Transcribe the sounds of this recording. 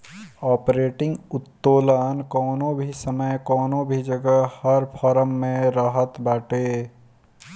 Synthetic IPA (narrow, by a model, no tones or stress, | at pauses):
ɔːpɾeːʈɪ̃ŋɡʊt̪ːoːlənkɔːnõbʱisəməjkɔːnõbʱid͡ʒəɡəɦhəɾpʰɔɾəmːẽɾəɦət̪baːʈe